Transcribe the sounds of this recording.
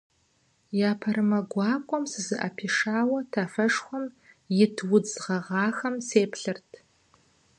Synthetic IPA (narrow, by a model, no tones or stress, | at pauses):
jaːpʰɐɾɨmɐɡʷɑːkʷʼɔmsɨzɨʔɐ̰pʰiːʂaːwɐtʰaːfɐʂxʷɔm | jɪtʰwʊd͡zʁɐʁɑːxɐmseːpɬɨrtʰ